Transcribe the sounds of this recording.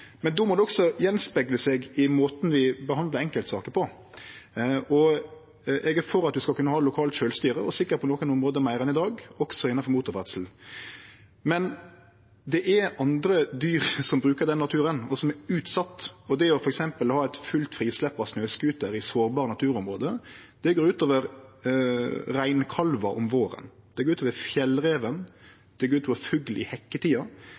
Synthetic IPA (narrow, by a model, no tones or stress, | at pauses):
mɛnd̪omɔd̪ɛɔksɔjɛnspɛɡləsɛɡɪmoːt̪n̩ʋɪbəhɑnd̪ləɾɛŋkəlt̪sɑːkəpʰɔ | ɔ | ɛɡəfɔɾɑt̪̚d̪ʉskɑlkʰʉnːəhɑːlʊkʰɑːlt̪ʃøːlst̪yːɾəɔsɪkːəɾpʰɔnɔːkənɔmʁoːd̪əmæɪɾɛnɪd̪ɑːɡɔksɔɪnːɑfɔɾmuːt̪ʊɾʋæd̪sl̩ | mɛn | d̪ɛʔɛɑnd̪ɾəd̪yːɾsɔmbɾʉːkəɾd̪ɛnːɑt̪ʰʉːɾənɔsɔmɛɾʉːt̪sɑt̪ːɔd̪ɛɔfɔɾɛksɛmpəlhɑːɛɪt̪fʉlt̪fɾiːslɛpːɑsnøːskʉːt̪əɾɪsoːɾbɑːɾənɑt̪ʰʉːɾɔmɾoːd̪əd̪̥ɛɡoːɾʉːt̪oːʋəɾ | ɾæɪnkʰɑlʋɑʔɔmʋoːɾə̰nd̪̥ɛɡoːɾʉːt̪oːʋəfjɛlːɾeːʋən | d̪̥ɛɡoːɾʉt̪ʰɔːʋfʉɡlɪ̰hɛkːət̪ʰiːɑ